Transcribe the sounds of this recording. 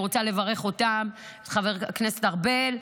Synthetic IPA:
ʁot͡sale̞vaʁe̞χo̞tam | tχaveʁknesetaʁbel

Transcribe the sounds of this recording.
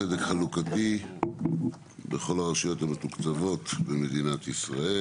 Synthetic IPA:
edekχalukati | beχo̞laʁaʃujo̞thamet̪ukt͡savo̞tbeme̞d̪inat̪isʁae

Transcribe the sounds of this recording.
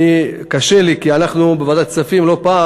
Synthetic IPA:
ikaʃelikianaχnubevad̪ajt͡safimlo̞pa

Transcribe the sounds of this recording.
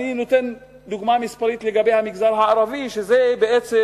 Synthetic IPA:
ninʊt̪ɪn | d̪ʊɡmaːmɪspɑɾiːt̪lɪɡabihamɪɡzɑːɾˤɦaʔɾˤɑviʃzebɪʔet͡s

